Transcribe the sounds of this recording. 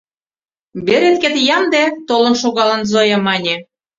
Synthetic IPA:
beɾet̪ket̪jɑmd̪et̪olɤ̆nʃoɣɑlə̆nzojɤ̆mɑnʲe

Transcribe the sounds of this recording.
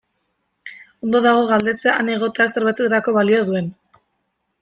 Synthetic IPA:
o̞nd̪oðaɣ̞o̞ɣald̪e̞t͡seaʔane̞ɣ̞o̞t̪eakseɾβet͡set̪eɾako̞βalioð̞ue̞n

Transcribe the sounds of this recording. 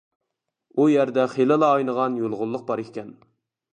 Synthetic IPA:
ujæɾd̪ɛχelɪlˠɑːjnəʁɑnjolˠʁʊlˠːʊq̚bɑɾekʲʰɛn

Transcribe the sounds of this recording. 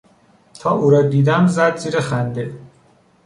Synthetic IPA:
t̪ʰɒːʔuːɾɒːd̪iːd̪æmzæd̪ziːɾexænd̪e

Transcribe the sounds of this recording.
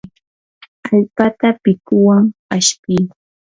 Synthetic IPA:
aʎpat̪apɪkʊwaŋaʃpɪj

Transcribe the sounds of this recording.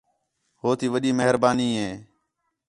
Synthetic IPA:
hoːt̪ʰiːʋəɗiːməɦəɾbaːniːɦeː

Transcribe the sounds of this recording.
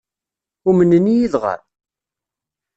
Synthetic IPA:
ʊmənənːijiðʁa̰ɾ

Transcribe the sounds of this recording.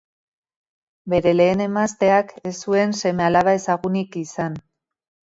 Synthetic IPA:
be̞ɾe̞le̞ːne̞mast̪e̞ake̞sue̞nse̞me̞alaβae̞saɣunikisan

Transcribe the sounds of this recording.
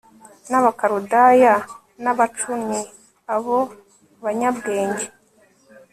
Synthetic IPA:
naβakaɾudaja | naβat͡ʃumi | aβo | βaɲabɡe̞ːɲɟe

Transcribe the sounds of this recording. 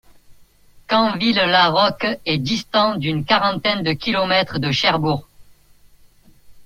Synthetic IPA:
kɑ̃villaʁɔkɛd̪ist̪ɑ̃d̪ynkaʁɑ̃t̪ɛnd̪əkʲilɔmɛt̪χd̪əʃɛʁbuʁ

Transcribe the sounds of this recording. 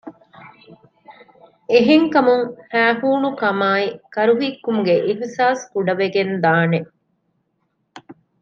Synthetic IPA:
eɦeŋkɐmuŋhæːɦuːnukɐmaːikɐɾuɦikːumuɡeʔiɦsaːskuɖɐʋeɡend̪aːne

